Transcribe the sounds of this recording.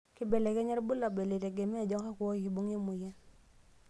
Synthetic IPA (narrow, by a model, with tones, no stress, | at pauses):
ki˦be˨le˨kɛ˦ɲɛ˦ɾbu˦la˨be˨le˨te˨ɡe˨mɛ˦a˨d͡ʒɔ˦ka˦kwɔ˦ji˨bu˦ŋe˦mu˨ja˦